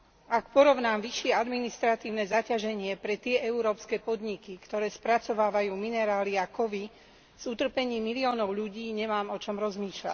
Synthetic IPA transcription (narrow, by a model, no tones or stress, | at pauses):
akpɔɾɔʊnaːmʋiʃɪɛad̪minist̪ɾat̪iːʊnɛzacaʒɛɲɪɛpɾɛt̪ɪɛʔɛuɾɔːpskɛːpɔd̪ɲikikt̪ɔɾɛːspɾat͡sɔʋaːʋajuːminɛɾaːliakɔʋi | z̥ut̪r̩pɛɲiːmːiliɔːnɔʊʎuɟiːɲɛmaːmɔt͡ʃɔmɾɔzmiːʃla̰c